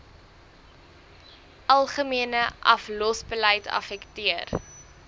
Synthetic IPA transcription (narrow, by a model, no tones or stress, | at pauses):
ʔɐlˠχəmiənəʔɐflɔsbələjtɐ̰fɛktiər